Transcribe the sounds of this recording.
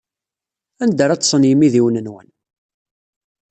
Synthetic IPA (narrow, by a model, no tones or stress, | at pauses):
ænd̪əɾˤɑt͡sːsˤənjəmiðiwnənwə̰n